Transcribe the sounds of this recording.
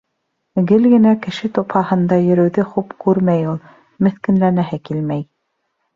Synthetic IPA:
ɡɘlɡɘ̆nækɘ̆ʃɘt̪ophɑhɤ̆nd̪ɑjɵ̆ɾɵ̆wðɘχupkʉɾmæjulˠ | mɘ̆θkɘ̆nlænæɦɘkilmæj

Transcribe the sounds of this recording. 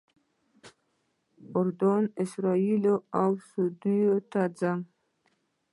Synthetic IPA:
ʊɾd̪onɪsɾɑiloawsud̪ujot̪ad͡zaŋ

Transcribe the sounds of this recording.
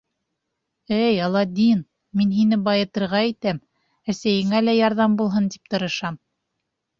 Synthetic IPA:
ɘjɑlˠɑd̪ʲin | minɦinɘbɑjɤ̆t̪ɤ̆ɾʁɑit̪æm | æsæjɘ̆ŋælæjɑɾðɑmbulˠɦɤnt̪i̥p̚t̪ɤ̆ɾɤ̆ʃɑm

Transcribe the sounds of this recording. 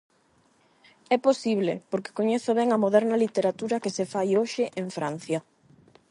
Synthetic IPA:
ɛposiβ̞lepoɾke̥koɲeθoβɛŋɐmoðɛɾnɐlit̪eɾat̪uɾɐkesefajoʃɪʔeɱfɾan̟θjɐ

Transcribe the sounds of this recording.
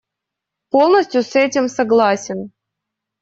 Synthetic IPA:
po̞lˠnəsʲtʲjʊsɛtʲɪmsɐɡlˠasʲɪn

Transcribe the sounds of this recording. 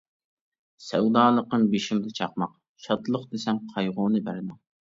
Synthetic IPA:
sɛwd̪ɑːlˠəqːɨnbeʃimd̪ɛt͡ʃʰɑqmɑq | ʃɑt̪lˠəqd̪esɛmqʰɑjʁʊnɨbæɾɪd̪ɪŋ

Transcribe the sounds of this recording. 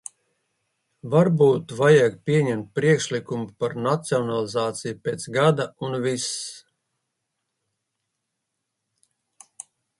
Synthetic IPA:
vaɾbuːt̪vajaɡpʲiɛɲɛmt̪̚pɾiɛkʃlikumupaɾnat̪siɔnalˠizaːt̪sijupeːt̪sɡad̪aunvis

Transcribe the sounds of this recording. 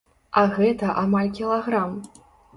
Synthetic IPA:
ɐɣɛt̪ɐʔamalʲkʲilˠaɣɾam

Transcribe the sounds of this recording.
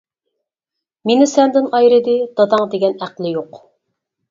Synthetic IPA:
menɪsɛnd̪ɪnɑjɾɨd̪ɪd̪̥ɑd̪ɑŋd̪eɡʲɛnæqlˠɪjoq

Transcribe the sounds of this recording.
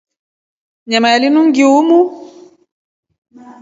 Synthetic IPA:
ɲamaalinuŋɡiumu

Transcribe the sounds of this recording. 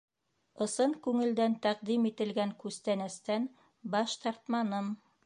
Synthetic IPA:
ɤ̆sɤɴkʉŋɘ̆ld̪ænt̪æq̚d̪imit̪ɘ̆lɡæŋkʉst̪ænɘ̆st̪æn | bɑʃt̪ɑɾt̪mɑnɤm

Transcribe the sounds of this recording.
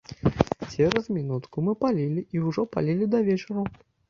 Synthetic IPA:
t͡sʲɛɾɐzmʲinut̪kumɨpalʲilʲiʔiwʐɔpa̰lʲilʲid̪ɐvʲɛt͡ʂɐɾɐ

